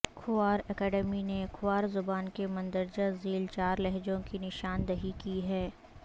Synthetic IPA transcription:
kʰʊaːɾɛkɛːɖɛminekʰʊwaːɾzʊbaːnkemɐ̃nd̪əɾd͡ʒaziːlt͡ʃaːɾlɛɦd͡ʒõkinɪʃaːnd̪ɐɦikiɦɛː

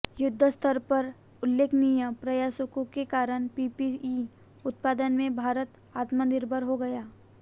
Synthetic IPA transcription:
jʊd̪ʱːəst̪ʰəɾpɐɾ | ʊlːeːkʰnɪjəpɾɐjaːsəkõkekaːɾəñpiːpii | ʊt̪̚paːd̪ənmẽbʱaːɾət̪ | aːt̪mənɪɾbʱəɾɦoɡɐjaː

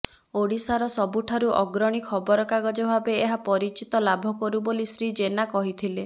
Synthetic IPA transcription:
oɽisaɾɔsɔbuʈʰaɾuʔɔɡɾɔɽ̃ikʰɔbɔɾɔkaɡɔd͡ʒɔbʱabeːɦapɔɾit͡ʃit̪ɔlabʱɔkɔɾubolisɾid͡ʒenakɔɦit̪ʰile

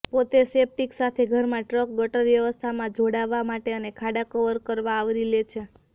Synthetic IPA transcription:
pot̪esep̚ʈiksat̪ʰeɡʱəɾmãʈɾək̚ɡəʈəɾʋjəʋəst̪ʰamãd͡ʒoɽaʋːamaʈeənekʰaɽakəʋəɾkəɾʋãːʋɾilet͡ʃʰe

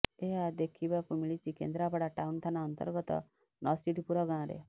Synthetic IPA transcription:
ead̪ekʰibakumiɭit͡sikḛnd̪ɾapaɽaʈaunt̪ʰanaənt̪ə̰ɾɡɔt̪ɔ̰ | nɔsʈiʈipuɾɔɡãɾḛ

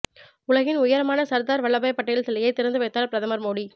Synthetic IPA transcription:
ʊɭɐɣɪnʊjɐɾɐmaːnɐsɐɾd̪aːɾʋɐɭːɐbɐjɐpːɐʈːɐjɪlsɐlɐjɐɪt̪ːɪɾɐnd̪ɯʋɐɪt̪ːaːlpɪɾɐðɐmɐɾmoːɽi

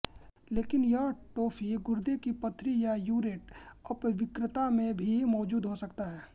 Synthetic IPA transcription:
leːkɪnjɐʈoːfiɡʊɾd̪ekipɐt̪ʰːɾijajuːɾɪʈɐpʋɪkɾɪt̪amẽbʱimɔːd͡ʒuːd̪ɦosɐkt̪aɦɛː

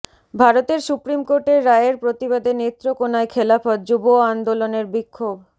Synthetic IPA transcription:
bʱaɾot̪eɾsupɾimkoɾʈeɾːaeeɾpɾot̪iβad̪ʱenet̪ːɾokonaekʰelapɔt̪̚d͡ʑuboand̪oloneɾbikʰːob

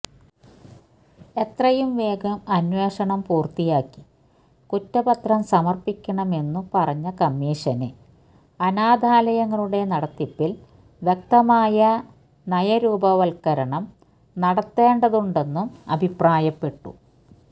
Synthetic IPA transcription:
e̞t̪rɐjumʋe̞ːɡɐmɐnweːʂɐɳɐmpuːrt̪ijaːkːi̥ | kutːɐbɐt̪rɐmsɐmɐrpikʲːɐɳɐme̞nːupɐrɐɲːɐkɐmːiːʂɐne̞ | ɐnaːd̪ʱaːlɐjɐŋːɐɭuɽe̞nɐɽɐt̪ːipːil | ʋjek̚t̪ɐmaːjɐ | nɐjɐɾuːbɐʋɐlkɐɾɐɳɐm | nɐɽɐt̪ːe̞ːɳɖɐðuɳɖe̞nːumɐ̰bʱipraːjɐpːe̞ʈːṵ

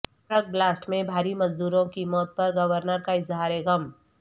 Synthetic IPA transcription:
ɾək̚blaːsʈmẽbʱaːɾimɐzd̪uːɾõkimɔːt̪̚pɐɾɡɐʋəɾnəɾkaɪzɦaːɾeɣɐm

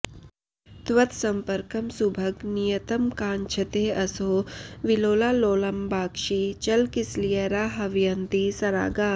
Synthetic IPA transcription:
t̪ʋɐt̪sɐmpɐɾkɐmsubʱɐɡnijɐt̪ɐmkaːnt͡ʃʰɐt̪eːɐsoːʋiloːlaːloːlɐmbaːkʃiːt͡ʃɐlkislijɐɾaːɦɐʋijɐnt̪isɐɾa̰ːɡaː

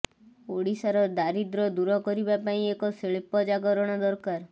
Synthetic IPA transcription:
oɽisaɾɔɾd̪aɾid̪ɾɔd̪uɾɔkɔɾibapaĩekɔseɭepɔd͡ʒaɡɔɾɔɽ̃ɔd̪ɔɾkaɾ

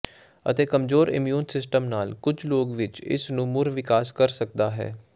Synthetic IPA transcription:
ə̰t̪eːkəmzoːɾɪ̰mjuːnsɪsʈəmnaːlkʊd͡ʒloːɡʋɪt͡ʃɪ̰snũːmʊɾʋɪkaːskəɾsək̚d̪aːɦɛ̰ː

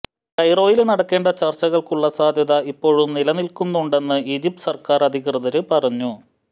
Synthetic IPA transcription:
kɐjro̞ːjilnɐɽɐkːe̞ːɳɖɐt͡ɕɐrt͡ɕːɐɣɐɭkuɭːɐsaːd̪ʱjɐðɐipːo̞ːɻumnilɐnilkunːuɳɖe̞nːɨiːd͡ʑip̚ʈɨ̥sɐrkaːrɐd̪ʱikrɨðɐɾɨpɐrɐɲːu

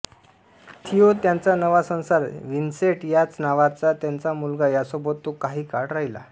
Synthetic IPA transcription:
t̪ʰijot̪jant͡sanəʋasə̃w̃saɾʋinseʈjat͡snaʋat͡sat̪jant͡samulɡajasɔbət̪ːokaɦiːkaɽɾaɦila̰

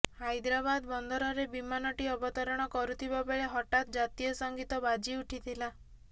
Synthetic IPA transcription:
hajd̪ɾabad̪bɔnd̪ʱɔɾɔɾebimanɔʈiɔbɔt̪ɔɾɔɽ̃ɔkɔɾut̪ʰibabeɭeɦɔʈat̪ɔd͡ʒat̪ijɔsɔŋɡit̪ɔbad͡ʒiuʈʰit̪ʰila

